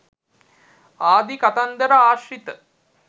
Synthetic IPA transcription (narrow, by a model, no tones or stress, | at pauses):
aːd̪ikat̪and̪əɾaaːʃɾit̪ə